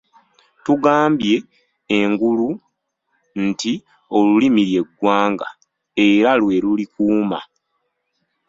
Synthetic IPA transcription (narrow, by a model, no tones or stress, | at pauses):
tuɡaːmbje̞ː | ŋɡulu | nti | o̞lulimiɾje̞ɡːwaːŋɡa̰ | e̞ɾalwe̞lulikuːma̰